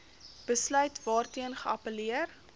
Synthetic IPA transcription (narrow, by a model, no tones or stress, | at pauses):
b̥əslœɥtvɑːrtiənχəɐpəliər